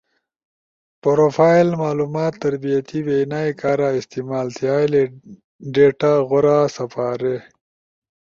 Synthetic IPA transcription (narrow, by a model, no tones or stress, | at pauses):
poɾofaːilmaːluːmaːt̪ːɐɾbijat̪ibenaːjkaːɾaːɪst̪imaːlt̪ʰjaːjle | ɖeːʈaɣoɾaːsɐpaːɾe